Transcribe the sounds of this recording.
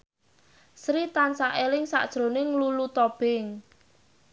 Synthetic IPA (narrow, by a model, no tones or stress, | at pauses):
sɾit̪ansaʔelɪŋsa̰ʔd̥ʒ̥ɾo̤nɪŋlulut̪ɔb̥ɪŋ